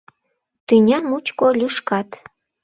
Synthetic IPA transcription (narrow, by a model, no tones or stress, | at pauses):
t̪ɨnʲɑmut͡ɕkolʲyʃkɑt̪